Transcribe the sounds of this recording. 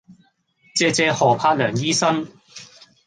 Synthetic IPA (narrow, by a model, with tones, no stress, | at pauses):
t͡sɛː˧t͡sɛː˧hɔː˨pʰaː˧t̚lœː˨˩ŋjiː˥sɐ˥n